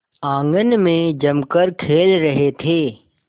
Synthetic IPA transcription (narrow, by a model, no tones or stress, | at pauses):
ãːŋɡənmẽd͡ʒɐmkəɾkʰeːlɾɐɦet̪ʰeː